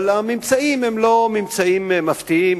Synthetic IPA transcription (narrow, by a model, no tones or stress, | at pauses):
lamimt͡saimemlo̞mimt͡saimmaft̪iim